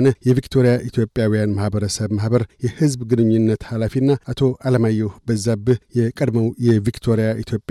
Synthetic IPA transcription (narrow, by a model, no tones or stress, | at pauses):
nəjɛvikt̪ʰoɾijaʔit̪ʰjo̞pʼːjawijanmahbəɾəsəβmahbəɾjɛhɨzbɡɨnɨɲːunːət̪halafinːaʔat̪ʰo̞ʔaləmajːɛbəzːabɨjɛkʼəd̪məwjɛvikt̪ʰo̞ɾijaʔit̪ʰjo̞pʼː